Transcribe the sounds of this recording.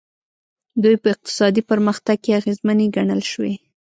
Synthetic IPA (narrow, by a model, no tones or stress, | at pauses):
d̪ujpəɪq̚t̪ɪ̥sɑd̪ipəɾməxt̪aɡ̚keaɣezməneɡaɳəlʃwḛ